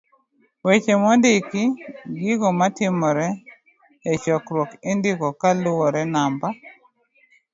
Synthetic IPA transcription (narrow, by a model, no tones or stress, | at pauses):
wet͡ʃemɔndɪkɪɡɪɡɔmatɪmɔɾɛː | t͡ʃɔkɾwɔkɪndɪɡɔkalʊwɔɾɛnamba